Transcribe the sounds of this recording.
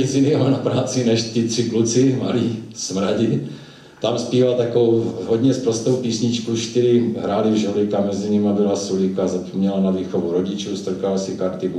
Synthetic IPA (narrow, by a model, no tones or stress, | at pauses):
izɪniɦonapɾaːt͡sɪnɛʃt̪ɪt̪r̥ɪklut͡sɪma̰liːsmɾaɟɪ | t̪amspiːvalt̪akovowɦodɲɛspɾost̪owpiːsɲɪt͡ʃkuʃt̪ɪɾɪɦɾaːlɪvʒaɾɪkamɛzɪɲɪmabɪlasulɪkazapomɲɛlanad̪viːxovuɾoɟɪt͡ʃust̪r̩kalsɪkaɾt̪ɪɡu